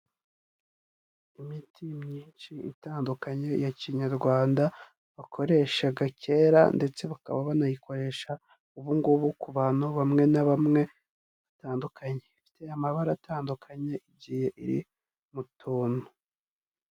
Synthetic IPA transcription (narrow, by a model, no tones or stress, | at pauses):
imitʰimɲiːnt͡ʃiḭtaːndukaɲe̞jaciɲaɾɡwaːnda | βakʰo̞ɾe̞ʃaɡace̞ːɾa̰nde̞t͡se̞βaka̰βaβanajiko̞ɾe̞ʃa | uβuŋɡuβukuβaːnoβamŋe̞naβamŋe̞ | βḁtaːndukʰaɲeifi̥te̞amaβaɾataːndukʰaɲe̞ʔiɟiːhe̞ʔḭɾḭ | mutuːnu